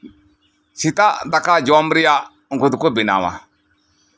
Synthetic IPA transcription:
sitadakad͡ʒamɾija | ŋ̩ɡudukubina̰wa̰

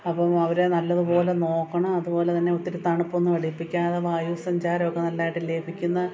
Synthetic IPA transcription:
ɐpːɐmɐʋɐɾe̞nɐlːɐðupo̞ːle̞no̞ːkːɐɳɐmɐðupo̞ːlet̪ɐnːe̞ot̪ːiɾut̪ːaːɳɐpːonːuʋɐɽipːikʲːaːnɐðɐʋaːjuːsɐɲd͡ʑaːɾɐmokːenɐlːaːjiʈːɨle̞ːbʱikʲːunːɐ

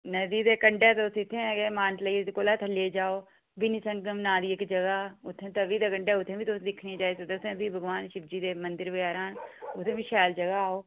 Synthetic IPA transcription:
nəd̪iːd̪eːkəɳɖeːt̪eʊt̪ʰːɪt̪ʰːẽːɛːɡeːmaːnʈləid̪koːlaːt̪ʰəleːd͡ʒaːoː | binisəŋɡəmnaːd̪iːɪkd͡ʒəɡaːʊt̪ʰːẽːt̪əʋiːd̪eːkəɳɖɛːʊt̪ʰẽːbiːt̪osd̪ɪkʰnĩːd͡ʒaːeːset̪eʊt̪ʰẽːd̪iːbʱəɡʋaːnʃɪb̚d͡ʒiːd̪eːmənd̪ɪɾʋɪaːɾaːnʊt̪ʰːẽːʋiːʃɛːld͡ʒəɡaːaːoː

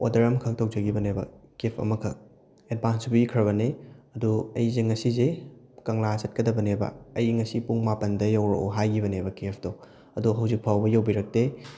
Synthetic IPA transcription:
odɐɾɐmkʰɐŋtʰow̚d͡ʒɐɡibɐnebɐ̰kepʰɐ̰mɐkʰɐ | ed̚bʱansbuikʰɾɐβɐneɐduɐjzeŋɐsize | kɐŋlasɐt̚kɐdɐbɐnebɐ̰ɐjŋɐsipuŋmapɐndɐjɐwɾo̰ɦajɡibɐnebɐkep̚ʰdo | ɐduɦɐwzik̚pʰawbɐjɐwbiɾɐk̚te

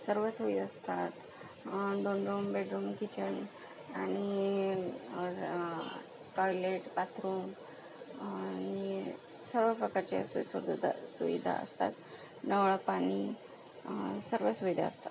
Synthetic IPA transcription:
səɾʋəsuʋid̪əst̪at̪ | d̪oɳɖɾuːmbeɖɾuːmkit͡ɕən | ani | ʈɔjleʈpat̪ʰɾuːm | nii | səɾʋəpɾəkaɾt͡ɕḛsusəɾd̪d̪a̰suʋḭd̪ʱa̰ə̰st̪a̰t̪ | nəʋɭapaɽi | səɾʋəsuʋid̪ʱa̰ə̰st̪at̪

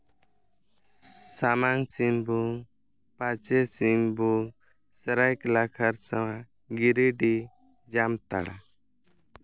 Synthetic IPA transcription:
samaŋsimbu | pat͡ʃɛsimbu | sɛɾajklakʰaɾsawã | ɡiɾiɖi | d͡ʒamt̪a̰ɽa̰

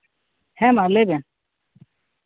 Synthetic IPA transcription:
hɛ̃ːmalebẽ

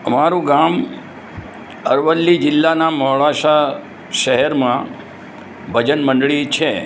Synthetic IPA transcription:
əmaɾũɡam | əɾʋəlːid͡ʒɪlːanamɔɭaʃa | ʃəɦɛɾmã | bʱəd͡ʒənməɳɖɭit͡ʃʰe

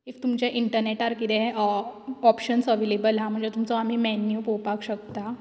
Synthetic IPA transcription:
ift̪umt͡ɕjaʔiɳʈəɾneʈaɾkit̪ɛ̃ | ɔpɕənsəʋelebəlɦãm̤əɳd͡zet̪umt͡sɔam̤iːmɛnjupopakɕək̚t̪a

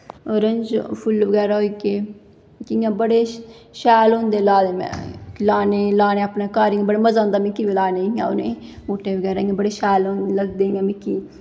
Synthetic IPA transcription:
oɾənd͡ʒpʰʊlʋəɡɛːɾaoikeː | kiŋaːbəɽe | ʃaːlɦõnd̪eːlaːd̪emɛ̰̃laːneːlaːneːpneːkaːɾiŋebəɽeməzaːnd̪aːmĩkiʋlaːneɪŋa̰ʊ̰nemoːʈeːʋəɡɛːɾaɪŋabəɽeːʃaːlonləɡd̪eːŋɡamẽkiː

